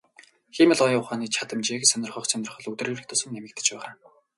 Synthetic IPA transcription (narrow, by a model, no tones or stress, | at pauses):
xiːmə̆ɮɔjʊχaːniːt͡ɕʰat̪ə̆mt͡ɕeːksœnʲɪ̆rχɞ̆χsœnʲɪ̆rχɞ̆ɮɵt̪ɘrɘ̆ːrɘ̆kt̪ʰʊsə̆ŋːemɘ̆k̚t̪ʰɘ̥̆t͡ɕpæːʁaː